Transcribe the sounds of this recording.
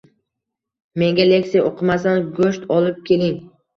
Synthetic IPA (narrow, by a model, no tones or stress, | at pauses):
me̞ŋɡʲalekʲsijoqʰɨmasanɡoʃt̪ɒlˠɪp̚kʲʰe̞lɪŋ